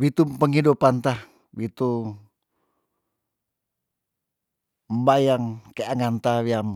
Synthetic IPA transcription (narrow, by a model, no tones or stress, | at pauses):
wit̪upəŋidupant̪ah | wit̪u | mbajaŋkeaŋant̪awiam